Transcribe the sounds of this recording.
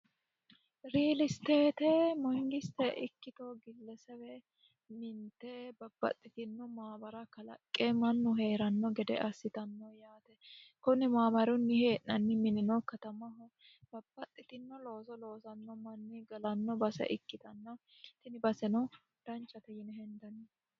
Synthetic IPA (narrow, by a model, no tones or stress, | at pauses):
ɾiːlɪst̪eːt̪ɛmɔɪŋɡɪst̪ɛʔɪkːɪt̪oɡɪlːɛsɛwɛ | mɪnt̪ɛbɐbːɐ̰t̪ʼːɪt̪ɪnːɔmaːbɐɾɐkɐlɐ̰kʼːemɐnːʊɦe̞ːɾɐnːɔɡɛd̪ɛ̰ʔɐsːɪt̪ɐnːɔjaːt̪ɛkʊnːɪmaːbɐɾʊnːɪheːʔnɐnːɪmɪnɪnɔkɐt̪ɐmɐɦʊ | b̥ɐbːɐt̪ʼːɪt̪ɪnːɔlo̞ːsɔlo̞ːsɐnːɔmɐnːɪɡɐlɐnːɔbɐsɛ̰ʔɪkːɪt̪ɐnːɔt̪ɪnɪbɐsɛnɔ | d̪̥ɐnt͡ʃʼːɐt̪ɛjɪnɛhɛnd̪ɐnːɛ